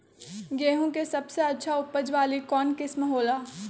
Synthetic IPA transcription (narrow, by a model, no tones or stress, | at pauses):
ɡeːɦõkesɐbseɐtːʃʰaʊpːəd͡ʒʋaːlikɔːnkɪsmɦoːlaː